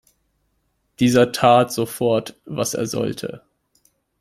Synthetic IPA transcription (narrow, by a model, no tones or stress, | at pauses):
d̥iːzɐtʰaːtz̥ofɔɐtva̰sḛːɐzɔ̰ltʰə̰